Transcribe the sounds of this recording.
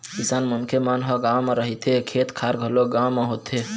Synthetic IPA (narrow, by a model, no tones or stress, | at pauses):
kisanmənkʰemanɦəɡamaɾəɦit̪ekʰet̪kʰaɾɡʱəloɡamaɦot̪ʰe